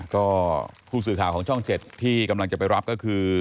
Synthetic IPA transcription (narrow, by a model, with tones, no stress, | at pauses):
kɔː˥˩pʰuː˥˩s̬ɯː˨˩kʰaː˨˩wkʰːŋt͡ɕʰɔ˥˩ŋt͡ɕe˨˩t̪ʰːiː˥˩ka˧mla˧ŋt͡ɕa˨˩pa˧jɾa˦˥p̚kɔː˥˩kʰɯː˧